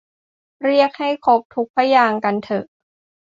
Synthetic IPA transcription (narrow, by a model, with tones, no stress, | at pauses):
ɾi˥˩ək̚ha˥˩jkʰo˦˥p̚t̪ʰu˦˥k̚pʰa˦˥jaː˧ŋka˧nt̪ʰɤ˨˩ʔ